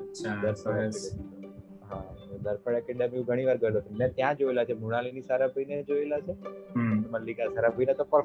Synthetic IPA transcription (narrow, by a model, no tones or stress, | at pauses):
ad̪əɾpʰəa | ɦaod̪əɾpəɽakɛɳɖamiũɡʱəɽ̃iʋaɾɡəelot͡ʃʰenmjãt̪jãd͡ʒoelat͡ʃʰemuɽ̃alinisaɾapəined͡ʒoelat͡ʃʰe | məlːikasaɾapəinet̪opəɾ